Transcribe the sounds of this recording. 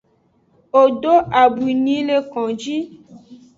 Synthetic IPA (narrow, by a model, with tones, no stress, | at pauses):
o˨ɖo˦ʔa˨bu˨i˨nĩ˨˦le˦kɔ̃˨d͡ʒi˦